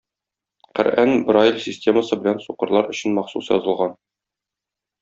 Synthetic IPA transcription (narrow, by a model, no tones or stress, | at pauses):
qæ̰ɾʔænbrailʲsʲɪsʲtʲe̞məsɤbɘ̆lænsuqɤ̆ɾlˠɑɾɵ̆ɕɘnmɒχsusjɒ̰zɤ̆lˠʁɑn